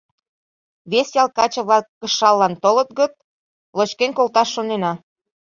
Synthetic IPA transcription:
βesjɑlˠkɑt͡ɕɤ̆βlɑkːəʃɑlːɑnt̪olət̪̚ɣət̪̚ | lot͡ɕkenkolt̪ɑʃːonenɑ

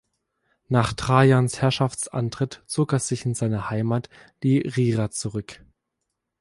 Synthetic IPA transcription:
naːχtʁ̥aːjanshɛɐʃaft͡sʔa̰ntʁ̥ɪtt͡soːkɛsz̥ɪçɪnzaɪnəhaɪmaːt | d̥iːʁiːʁat͡suʁʏk

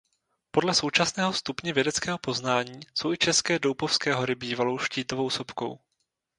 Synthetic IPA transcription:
po̞dlɛso̞wt͡ʃasnɛːɦost̪upɲɛvjɛdɛt͡skɛːɦo̞po̞znaːɲiːso̞wʔɪt͡ʃɛskɛːdowpofskɛːɦo̞ɾɪbiːvalo̞wʃciːt̪ovo̞wsopko̞̰w

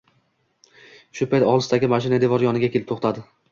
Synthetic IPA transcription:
ʃʊpʰajt̪ɒʁlˠɨsd̪aɡʲɪmaʃ̬ɪnad̪e̞vɒɾjɒnɪɡʲakʲʰelɪpt̪oχt̪ʰad̪ɪ

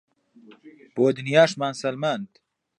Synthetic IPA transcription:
b̥oːd̪ɨnjaːʃmaːnsɐlmɐnd̪

